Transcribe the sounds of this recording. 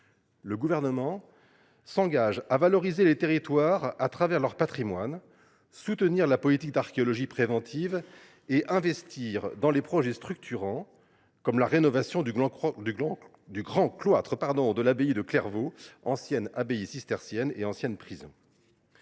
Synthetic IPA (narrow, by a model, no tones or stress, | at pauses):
ləɡuvɛʁnəmɑ̃ | sɑ̃ɡaʒavalɔʁizelet̪eʁit̪waʁat̪χavɛʁlœʁpat̪χimwan | sut̪əniʁlapɔlit̪ik̚d̪aʁkʲeɔlɔʒipχevɑ̃t̪ʰiv | eʔɛ̃vɛst̪ʰiʁd̪ɑ̃lepχɔʒɛst̪χyk̚t̪ʰyʁɑ̃ | kɔmlaʁenɔvasjɔ̃d̪d̪ỹ | d̪yɡʁɑ̃klwat̪χəpaʁd̪ɔ̃d̪əlabeid̪əklɛʁvoɑ̃sjɛnabeisist̪ɛʁsjɛneɑ̃sjɛnpχizɔ̰̃